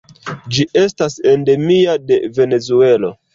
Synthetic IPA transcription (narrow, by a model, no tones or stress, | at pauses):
d͡ʒiʔe̞stase̞nde̞miade̞ve̞ne̞zue̞lo̞̰